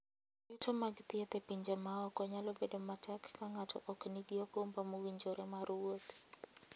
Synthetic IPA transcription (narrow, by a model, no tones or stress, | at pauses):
jutʰomaɡt̪iɛt̪epiɲd͡ʒamaɔkɔɲalɔbedomatakːaŋatʰɔ̰ʔɔkniɡɪɔkombamuwiɲd͡ʒoɾɛmaɾuwot̪